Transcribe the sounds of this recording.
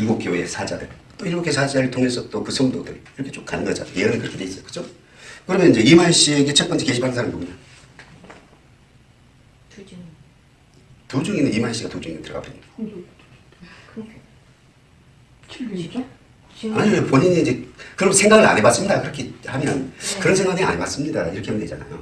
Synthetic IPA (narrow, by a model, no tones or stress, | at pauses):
iɭɡok͈joe̞̰sʰad͡ʑadɯɭt͈oiɭokʰːosʰad͡ʑaɾɯɭtʰoŋe̞sʰʌt͈okɯsʰomundo̰dɯ̰ɾiɾʌkʰet͡ɕ͈omkanɯnɡʌd͡ʑa̰jeʌnɯnkɯɾʌkʰe̞dweis͈ʌjo̥kɯ̥d͡ʑʰo | kɯɾʌmjʌnind͡ʑe̞imaɕ͈ieɡet͡ɕʰep͈ʌnt͡ɕʰike̞ɕʰipʰanɯnsʰamipoɡɯɲa | tud͡ʑuŋinɯnimaɭɕ͈iɡatud͡ʑuŋinɯntɯɾʌɡa̰p͈ʰeid | aɲiepoɲiɲiːnd͡ʑe̞kɯɾʌmsʰe̞ŋɡaɡɯɾa̰ɲemas͈ɯmɲidakɯɾʌkʰehamjʌnkɯɾʌnsʰe̞ŋɡaŋɯia̰ɲemas͈ɯmɲidaḭɾʌkʰeemnded͡ʑana̰jo̰